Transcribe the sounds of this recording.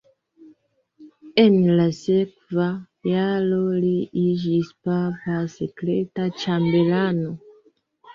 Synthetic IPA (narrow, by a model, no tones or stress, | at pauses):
enilasekva | jaloliiʒispapasekletat͡ʃambelano